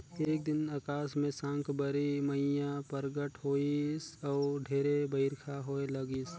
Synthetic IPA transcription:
eːk̚d̪ɪnakaːsmẽsãːŋkʰbəɾiməijãpəɾɡəʈɦoːisɔːɖʱeːɾebəɪɾkʰaɦoːeləɡis

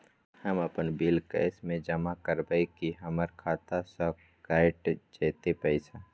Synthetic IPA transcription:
həməpənbɪlkə̰ːsmẽd͡ʒəmakəɾbəikiɦəməɾkʰaːt̪asə | kaːɪʈt͡ʃeːt̪epəɪsa

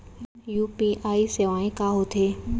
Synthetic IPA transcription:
juːpiʔaːiseʋaːẽkaːɦot̪ʰeː

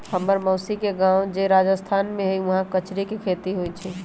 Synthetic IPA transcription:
həmːəɾməːsikeɡãːwd͡ʒeɾaːd͡ʒəst̪ʰaːnmẽɦiʋɐɦãkət͡ʃɾikikʰeːt̪iɦoit͡ʃʰi

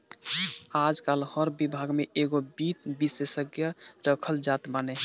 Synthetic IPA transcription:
ad͡ʒkalhəɾbibʱaɡmeeɡobit̪̚bisesəɡjəɾəkʰəld͡ʒat̪banɛ

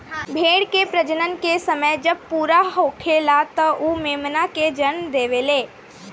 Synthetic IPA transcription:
bʱeːɽkepɾəd͡ʒənənkesəməjd͡ʒəb̚puːɾaɦoːkʰelat̪ɔʔumeːmnaked͡ʒənd̪eːʋeleː

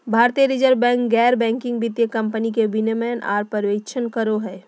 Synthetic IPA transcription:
bʱaːɾt̪iəɾɪd͡ʒəɾbɛ̃ːŋkɡɛːɾbɛ̃ːŋkɪ̃ŋɡbɪt̪jəkɐ̃mpənikebɪnemɛna̰ːɾpəɾʋeːt͡ʃʰənkəɾoɦɛː

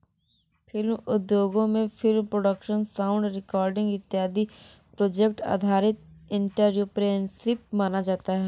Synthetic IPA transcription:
pʰɪlmʊd̪joːɡõmẽpʰɪlmpɾoːɖəkʃənsaːʊ̃ɳɖɾɪkɔːɾɖɪ̃ŋɡɪt̪ːjaːd̪i | pɾoːd͡ʒek̚ʈa̰ːd̪ʱaːɾɪt̪̚ɪ̃ɳʈəɾjupɾensɪp̚maːnad͡ʒaːt̪aɦɛː

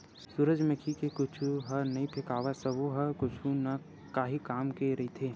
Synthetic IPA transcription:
suɾəd͡ʒmẽkʰikekʊt͡ʃʰuɦɐɾnɐĩpʰɪkaːʋasɐbuɦɐkʊt͡ʃʰunɐ | kaːɦikaːmkeɾɐɦit̪ʰeː

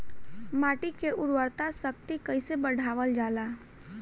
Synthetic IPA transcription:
maːʈikeʔʊɽwəɾt̪asəkt̪ikəɪsebəɽ̤ʱaːʋəld͡ʒaːlaː

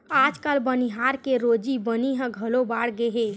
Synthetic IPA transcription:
ad͡ʒkəlbəniɦaɾkeɾod͡ʒibəniɦə̃ɡʱəlobaɽɡeɦe

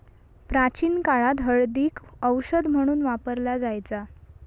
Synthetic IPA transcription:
pɾat͡ɕiːnkaɭat̪ɦəɭd̪iːkəwɕəd̪m̤əɽ̃uːnʋapəɾlad͡zajt͡sa

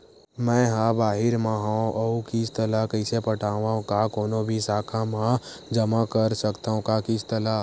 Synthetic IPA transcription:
mɛ̃ːɦãbaːɦɪɾmãɦãɔːkɪt͡ʃt̪əlakəɪsepəʈʰaːʋaõkakoːnobʱisaːkʰamãd͡ʒɐmakəɾsəkt̪aːõkakɪt͡ʃt̪əlaː

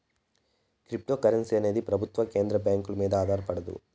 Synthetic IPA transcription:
kɾip̚ʈo̞ːkɐɾensiɐne̞ːd̪ipɾɐbʱut̪ʋɐke̞ːnd̪ɾɐbjaːŋkulɐmiːd̪ɐaːd̪ʱaːɾɐpɐɽɐd̪ṵ

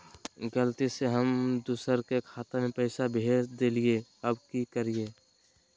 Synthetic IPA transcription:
ɡəlt̪iseɦəmd̪uːsəɾkekʰaːt̪emẽpɛːɪsabʱeːsd̪elieɐbkikəɾie

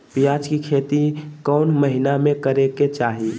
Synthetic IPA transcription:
piad͡ʒkikʰeːt̪ikɔʊnməɦinamẽkəɾeket͡ʃaːɦi

